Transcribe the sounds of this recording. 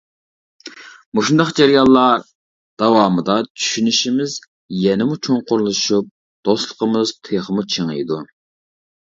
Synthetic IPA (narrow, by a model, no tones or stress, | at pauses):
muʃund̪ɑqd͡ʒeɾijɑlˠːɑɾ | d̪̥ɑwɑːmɨd̪ɑt͡ʃʰy̥ʃynyʃimɪz | jɛnɪmut͡ʃʰoŋqʊɾlˠɨʃup̚ | d̪̥oslˠə̥qʰəmɨz̥t̪ʰeχəmut͡ʃʰeŋɨ̰jd̪u